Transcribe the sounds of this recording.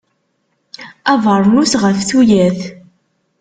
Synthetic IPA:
ævəɾˤnusʁəfθujæθ

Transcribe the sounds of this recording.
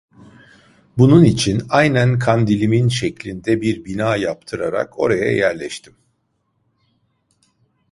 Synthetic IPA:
bununit͡ʃʰinajnænkʰand̪ilʲiminʃɛclʲind̪ɛbiɾbinaːjapt̪ʰɯɾaɾa̰kʰo̞ɾaja̰jæɾlʲɛʃt̪ʰim

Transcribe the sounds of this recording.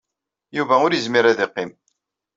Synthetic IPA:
juvæʊɾjəzmiɾæðɪqːɪm

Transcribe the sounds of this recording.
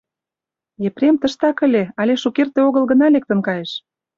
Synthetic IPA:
epɾʲemt̪ə̆ʃt̪ɑkə̆lʲeɑlʲeʃukert̪eoɣə̆lɣə̆nɑlek̚t̪ə̆nkɑjeʃ

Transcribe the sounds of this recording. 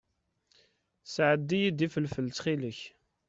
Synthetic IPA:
sʕəd̪ːijid̪ifəlfəlt͡sχiləç

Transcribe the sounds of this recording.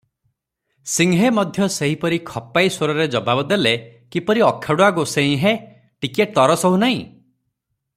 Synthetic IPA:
siŋɦemɔd̪ʱjɔseɦipɔɾikʰɔpːajsoɾɔɾed͡ʒɔbabɔd̪elekipɔɾiɔkʰːaɽuaɡosẽĩɦe | ʈikeʈ̚t̪ɔɾɔsɔɦunaĩ

